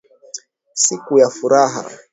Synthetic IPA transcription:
sikujafuɾaɦa̰

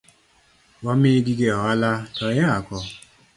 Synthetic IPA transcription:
wɔmiɡiɡeɔalatɔjaakɔ

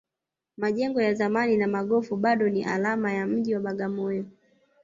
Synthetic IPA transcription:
maʄɛŋɡɔjazamaninamaɠɔfuɓaɗɔniʔa̰lamajam̩ʄiwaɓaɠamɔjɔ

